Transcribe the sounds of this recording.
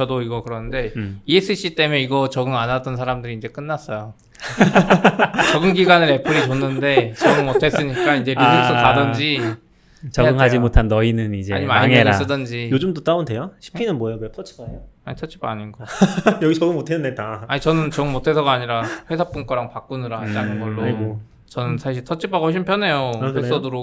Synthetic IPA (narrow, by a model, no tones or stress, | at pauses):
t͡ɕʌdoiɡʌkɯɾʌnɯnde̞ies͈ʰɯɕʰit͈e̞meiɡʌt͡ɕʌɡɯŋanat͈ʌnsʰaɾamdɯɾiːnd͡ʑe̞k͈ɯnːas͈ʌjo | t͡ɕʌɡɯnɡiɡanɯɾe̞pʰɯɾit͡ɕonːɯnde̞t͡ɕʌɡɯŋmotʰe̞s͈ɯɲik͈aind͡ʑe̞ɾiɡɯsʰʌtadʌnd͡ʑi | t͡ɕʌaɡɯŋad͡ʑimotʰanːʌinɯnid͡ʑea̰ɲimaiɾas͈ɯdʌnd͡ʑijod͡ʑɯmtot͈aondejoɕʰi̥pʰinɯnmwʌjoɡetʰʌt͡ɕʰi̥paejoaɲitʰʌt͡ɕʰi̥paɲinɡʌjʌɡit͡ɕʌɡɯmotʰenːɯndetaaɲit͡ɕʌnɯnt͡ɕʌɡɯmotʰe̞sʰʌɡaːɲiɾaɸwe̞sʰap͈unk͈ʌɾaŋpak͈unɯɾait͈anɯnɡʌɭːo | t͡ɕʌnɯnsʰaɕʰiɭtʰʌt͡ɕʰipʰaɡhoɕ̬ʰinpʰjʌne̞joess͈ʌduɾo